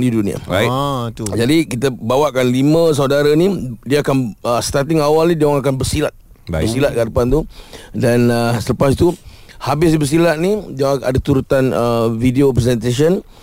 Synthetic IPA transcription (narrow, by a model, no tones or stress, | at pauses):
didunĩa̰a | d͡ʒadikit̪əbawaʔkanlimə̃s̬audaɾanidiəːkanəst̪art̪ɪŋawalnidiaaŋakanbərsilat̪̚ | bbəsilat̪̚kəadəpant̪udanəsələpasit̪uhabɪsdibərs̬ilat̪ʔ̪̚nidiaŋa̰dat̪uɾut̪anəvidiopɾɛsɛnt̪as̬ən